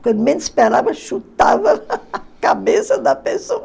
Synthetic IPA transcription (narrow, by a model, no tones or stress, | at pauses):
kwɐ̃nd̪umẽnd̪speɾavɐʃut̪avɐːkabesɐd̪ɐpesoɐ